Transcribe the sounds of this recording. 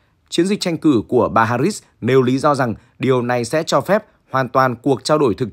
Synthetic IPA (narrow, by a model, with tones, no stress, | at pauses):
t͡ɕi˨˦ənzi˨˩k̟̚t͡ɕa˧jŋ̟kɨ˧˩ku˧˩əɓaː˨ɦaː˧ɾi˦˥s | ne˨˩wli˨˦zɔ˧za˨˩ŋ | ɗi˨˩əwna˨˩jsɛ̰˧˥t͡ɕɔ˧fɛ˦˥p̚ | hwaː˨˩nt̪waː˨˩nku˨˩ək̚t͡ɕaː˧wɗo˧˩jt̪ʰɨ˨˩k̚